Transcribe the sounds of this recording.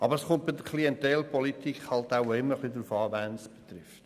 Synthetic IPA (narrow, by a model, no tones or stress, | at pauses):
ʔɑbəɾəsχʊnt̚b̥ɪdəkʰliɛntɛlpʰɔlitikχhɑltaʊɪmːəɾχlid̪ɾufɑːvænsb̥e̥t̪rɪft